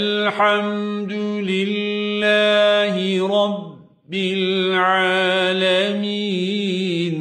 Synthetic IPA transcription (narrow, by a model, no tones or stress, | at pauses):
lħamd̪ʊlɪllːaːɦɪɾˤɑbː | ɪlʕaːlamiːn